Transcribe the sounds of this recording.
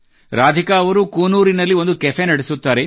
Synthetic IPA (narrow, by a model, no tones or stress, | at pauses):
ɾaːd̪ʱikaːʋɐɾukuːnuːɾinɐlːio̞nd̪ukɛfʰenɐɽesut̪ːaːɾe̞